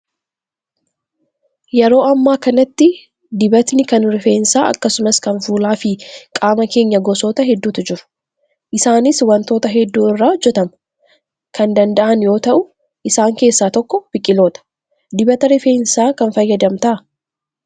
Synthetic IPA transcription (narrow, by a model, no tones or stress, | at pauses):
jɛɾo̞ːɐmːaːkɐnɐt̪ːɪ | d̪ɪbɐt̪nɪkɐnɾɪfe̞ːnsaːʔɐ̰kːɐsʊmɐskɐnfuːlaːfɪkʼaːmɐke̞ːɲːɐɡɔso̞ːt̪ɐɦɛd̪ːuːt̪ɪd͡ʒɪɾʊ̥ | ʔɪsaːnɪswɐnt̪o̞ːt̪ɐɦɛd̪ːuːɪrːaːɔd͡ʒːɛt̪ɐmɐ̥ | kʰɐnd̪ɐnd̪ɐʔɐnjo̞ːt̪ɐʔʊ | ʔɪsaːŋke̞ːsːaːt̪ɔkːɔb̥ɪkʼːɪloːt̪ɐ̥ | d̪ɪbɐt̪ɐɾɪfe̞ːnsaːkɐnfɐjːɐd̪ɐmt̪ɐʔɐ